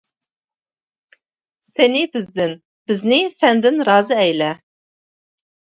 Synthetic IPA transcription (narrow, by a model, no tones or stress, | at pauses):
senibɨzd̪ɨn | b̥ɨznisænd̪ɨnrɑːzɨæjlæ